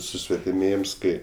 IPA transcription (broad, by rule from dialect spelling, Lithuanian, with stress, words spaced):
sʊsʲʋʲɛtʲɪˈmʲeːjɪms ˈkɐɪ